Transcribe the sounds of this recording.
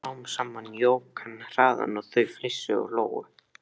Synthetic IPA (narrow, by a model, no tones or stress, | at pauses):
awmsaːmːanːjoːwkʰanr̥aːða̰nɔðθœɥflɪsːʏɔ̰loːwɣʏ̰